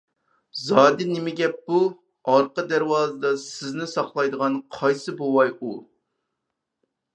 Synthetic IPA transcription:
zɑːd̪ɪnɪmɪɡʲɛp̚bu | ɑɾqəd̪æɾwɑːzɨd̪ɑsɪznɪsɑχlˠɑjd̪əʁɑnqʰɑjsɨbowɑju

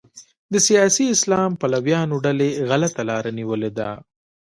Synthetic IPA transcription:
d̪əsijɑsiɪslɑmpalawjɑnoɖaleɣalat̪alɑɾaniwəled̪a̰

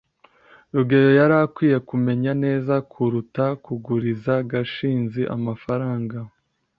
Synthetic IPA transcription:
ɾuɡe̞ɾo̞jaɾakwiːje̞kume̞ɲane̞ːzakʰuɾutakuɡuɾizaɡaʃiːnziʔa̰mafaɾaːŋɡa

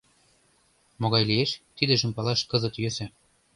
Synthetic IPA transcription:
moɣɑjlieʃt̪id̪ɘ̆ʒə̆mpɑlɑʃkɤ̆zɤ̆t̪jøsæ

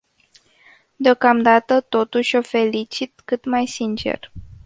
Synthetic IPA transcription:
d̪eo̞kamd̪at̪ət̪o̞t̪uʃʲo̞fe̞lit͡ʃit̪kɨt̪majsint͡ʃe̞̰r

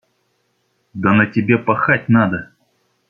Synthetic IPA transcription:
d̪ənətʲɪbʲepɐxatʲnad̪ə

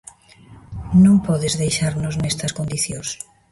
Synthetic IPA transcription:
nõŋpɔðezðejʃaɾnoznɛst̪ɐskõnd̪iθjõs

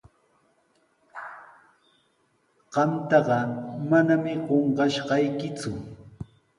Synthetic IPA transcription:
ɢ̥ɑmt̪ɑɢɑmanamɪɢoɴɢɑʃɢɑjkɪt͡sʊ

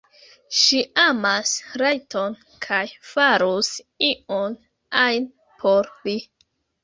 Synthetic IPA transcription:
ʃiamasɾajtʰon | kʰajfaɾus | ion | ajn | pʰoɾvi

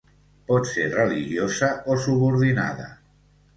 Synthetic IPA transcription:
pɔt̪seɾrəliʒjozəosuβuɾðina̰ðə̰

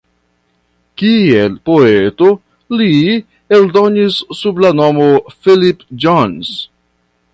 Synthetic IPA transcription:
kielpo̞eto | li | eldo̞nisːublano̞mofilipd͡ʒons

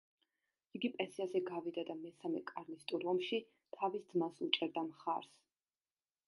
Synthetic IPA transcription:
iɡipʼɛnsiasɛɡavid̪ad̪amɛsamɛ̰kʼaɾlist̪ʼuɾɔmʃi | t̪ʰavisd̪zmasut͡ʃʼɛɾd̪amχa̰ɾs

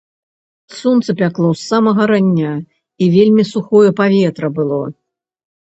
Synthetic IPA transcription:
sunt̪sɨpʲaklˠɔsːamɐɣɐɾanʲːa | ivʲelʲmʲisuxɔjɛpavʲɛt̪ɾɐbɨlˠɔ

